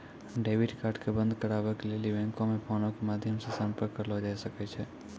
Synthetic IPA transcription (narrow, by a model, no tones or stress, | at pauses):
ɖeʋiɖkaɾʈkebə̃nd̪ʱkəɾaʋəklelibɛ̃ŋkomepʰɔnokemad̪ʱjəmsesampəɾkːəɾlʋod͡ʒaiʃəket͡ʃʰe